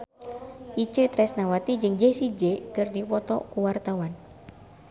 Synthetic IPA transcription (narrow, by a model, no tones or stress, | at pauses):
ʔit͡ʃət̪ɾɛsnawat̪id͡ʒɨŋd͡ʒesid͡ʒekɨrdipɔt̪ɔ̰kuwart̪awan